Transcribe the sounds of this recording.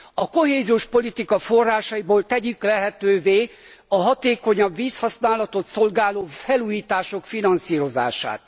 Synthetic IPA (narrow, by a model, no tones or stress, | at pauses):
ɒko̞ɦeːzijoːʃpo̞lit̪ikɒfo̞rːaːʃɒjiboːlt̪ɛɟyklɛɦɛt̪øːveː | ɒɦɒt̪eːko̞ɲɒbʋiːshɒsnaːlɒt̪o̞t̪so̞lɡaːloːfɛluːjiːt̪aːʃo̞kfinɒnsiːɾo̞za̰ːʃa̰ːt̪